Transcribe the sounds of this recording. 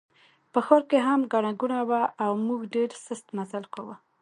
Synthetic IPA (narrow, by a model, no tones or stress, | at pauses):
pəxoɾkeɦamɡaɽaɡunawaʔawmuɡɖeɾsəst̪mazalkawə